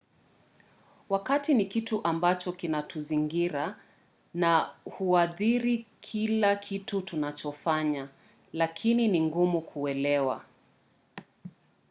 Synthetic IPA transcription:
wakatinikituʔambat͡ʃɔkinatuziŋɡiɾa | nahuaðiɾikʰilakʰitutunat͡ʃɔfaɲa | lakʰininiŋɡumukʰuɛlɛwa̰

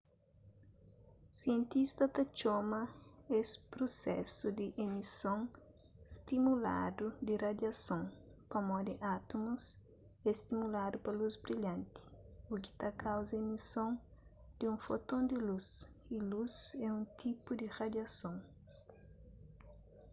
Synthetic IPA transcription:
siẽnt̪ist̪ɐt̪ɐt͡ʃɔmɐespɾosɛ̰sud̪ɪʔemisõŋ | st̪imula̰d̪ud̪ɪrad̪jɐsõŋpɐmɔd̪ɪʔat̪omus | est̪imulad̪upɐluzbɾiʎãnt̪i̥uki̥t̪akawzɐemisõŋ | d̪̥ɪũfot̪õnd̪ɪlus | iluzɛũnt̪ʰipud̪irad̪jasõŋ

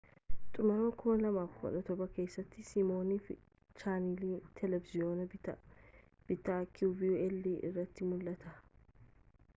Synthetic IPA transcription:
t̪ʼʊmɐɾmɐkʰʊːɐlɐmaːfɡɔ̰ᶑɐt̪ɔbɐke̞ːsːɐt̪ːɪsimo̞ːniːf | t͡ʃaːniliːt̪ʰɛlɛvɪzɪoːnɐbɪt̪ɐ | b̥ɪt̪ːakʰuːvɪuɛlːiːʔɪ̰rːɐt̪ːɪmʊlʔɐt̪ɐ

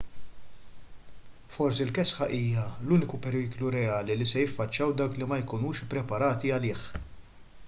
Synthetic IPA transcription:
fɔɾsilkɛsħɐʔiːjɐluːnɪkupɛɾiːkluɾɛɐːlilisɛjɪfːɐt͡ʃːɐwd̪ɐwklimɐjkʊnuːʃpːɾɛpɐɾɐːt̪iɐlɪːħ

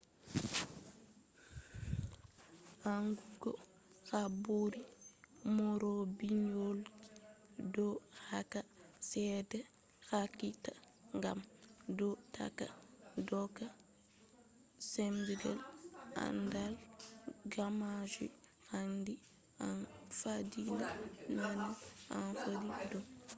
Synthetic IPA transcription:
aŋɡuɡo | xaboɾimɔɾobiɲol | dɔhakasɛdɛ | xakita | ŋɡamdɔta̰ka̰dɔka | semdiɡalʔa̰ndalɡamad͡ʒḭ | handi | anfadilananaanfadidɔm

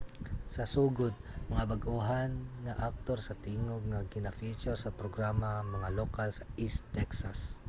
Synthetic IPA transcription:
sɐsuːɡʊd̪̚mɐŋabɐɡʔuɦanŋaʔak̚t̪oɾsɐt̪iːŋoɡ̚ŋaɡɪnafit͡ʃɛɾsɐpɾoɡɾamamɐŋalokalsɐist̪ːɛksas

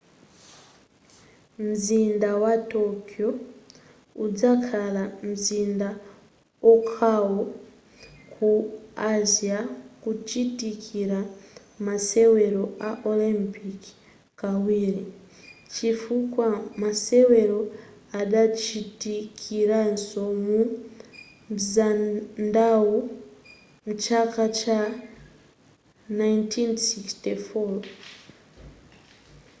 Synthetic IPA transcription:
m̩zindawatokio | ud͡zakʰalam̩zinda | okʰawo | kʰuaziakut͡ʃitikʰiɾa | maseweɾoaʔolimpik | kawiɾi | t͡ʃifukwamaseweɾo | aɗat͡ʃitikʰiɾansomu | zandawu | mut͡ʃakat͡ʃa | najntʰinsikstifo

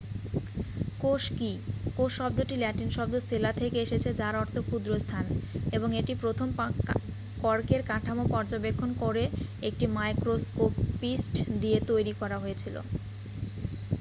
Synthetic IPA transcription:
koʃkikoʃːɔb̚d̪oʈilɛʈinʃɔb̚d̪oselat̪ʰekeeʃet͡ɕʰed͡ʑaɾɔɾt̪ʰokud̪ɾost̪ʰaneboŋeʈipɾot̪ʰom | pɔɾkeɾkaʈʰamopɔɾd͡ʑobekʰːonkoɾeek̚ʈimajkɾoskopisʈd̪iet̪ojɾikɔɾaɦojet͡ɕʰilo̰

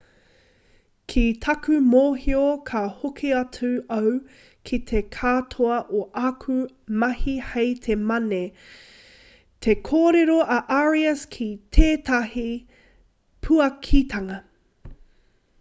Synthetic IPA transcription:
kʰit̪ʰɐkʰʉmoːɦiokʰɐhokʰiɐt͡sʉɐw | kʰit̪ʰekʰatʰoɐʔoʔɐkʰu | mɐhihejt̪ʰemɐne | t̪ʰekʰoːɾeɾoʔɐʔaɹiɐskʰit̪ʰeːt̪ɐhi | pʰuɐkʰit̪ʰɐŋɐ

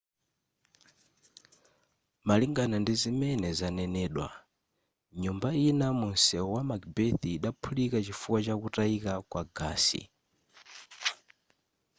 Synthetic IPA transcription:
maliŋɡanandizimɛnɛzanɛnɛːɗwa̰ | ɲumbainamunsɛwamakbɛθiːɗapʰulikat͡ʃifuwat͡ʃakutaikakwaɡaːsḭ

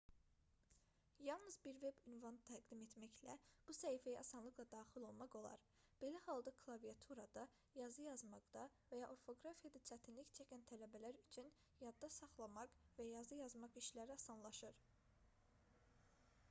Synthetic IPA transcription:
jɑlˠnɯzbiɾve̞bynvɑnt̪ʰæɡd̪imet̪mæçlæb̥usæifæjæʔɑsɑnlˠɯklˠɑd̪ɑːχilˠo̞lˠmɑqo̞lˠɑ̰ɾ | b̥e̞læhɑlˠd̪ɑkʰlˠɑvijɑt̪ʰuɾɑd̪ɑ | jɑzɯjɑzmɑɡd̪̥ɑvæjɑʔo̞ɾfo̞ɡɾafijɑd̪ɑt͡ʃʰæt̪ʰinliçt͡ʃʰæcʰænt̪ʰælæbælæɾyt͡ʃʰyn | jɑd̪ːɑsɑχlˠɑmɑqvæjɑzɯjɑzmɑqiʃlæɾiɑsɑnlˠɑʃɯɾ

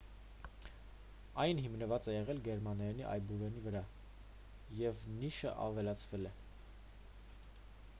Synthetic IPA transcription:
ɑjnɦimnəvɑt͡sɛjɛʁɛlɡɛɾmɑnɑjniʔɑ̰jbuvɛnivəɾɑ | jɛvniʃə̰ʔɑ̰vɛlɑt͡sʰvɛlɛ

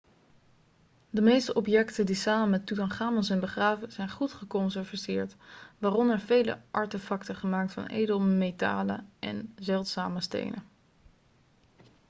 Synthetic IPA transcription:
dəmejstəʔɔpjɛktədisaːmənmɛtutɑnχaːməlˠsɛjnbəχraːvəz̥ɛjnχutχəkɔnsɛɹvisɪːɹtʋaːrɔnəɹvejlə̰ʔɑɹtəfɑktəχəmaːk̚tfɑ̰nʔḛjdəlˠmejta̰ːlə̰ʔɛ̰nzɛlˠtsaːməstḛjnə

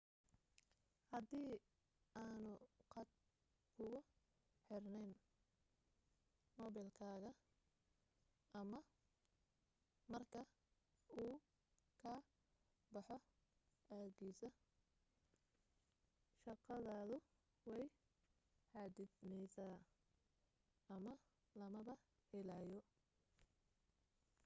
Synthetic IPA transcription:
hɐd̪iː | aːnʊqɑd̪̚ | kʰʊɣʊ | ħɪrnɛjn | mɔːβɪlkʰaːɣɐ | ʔɐmɐ | mɐrkʰɐ | uː | kʰɐ | bɑħɔ | aːɣiːsɐ | ʃɑqɑðaːðʊ | wɛj | ħɑːd̪ɪd̪nɛjsaː | ɐmɐ | lɐmɐβɐ | hɛlaːjɔ

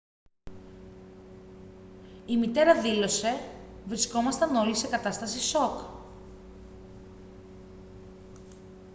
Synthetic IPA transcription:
imit̪e̞ɾɐðilo̞se̞vɾisko̞mɐst̪ɐno̞lise̞kɐt̪ɐst̪ɐsiso̞k

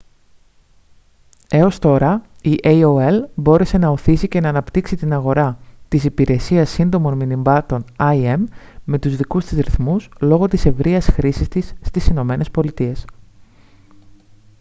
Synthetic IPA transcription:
e̞o̞st̪o̞ɾɐiʔejoelbo̞ɾe̞se̞nɐo̞θisice̞nɐːnɐpt̪iksit̪inɐɣo̞ɾɐt̪isipiɾe̞siɐsːind̪o̞mo̞nminimbɐt̪o̞nɐie̞m | mːe̞t̪uzðikust̪izɾiθmuslo̞ɣo̞t̪ise̞vɾiɐsxɾisist̪isːt̪isino̞me̞ne̞spo̞lit̪ie̞s

